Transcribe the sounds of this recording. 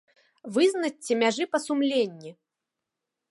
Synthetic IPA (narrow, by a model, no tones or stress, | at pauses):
vɨznɐt͡sʲːɛmʲaʐɨpɐsumlʲenʲːi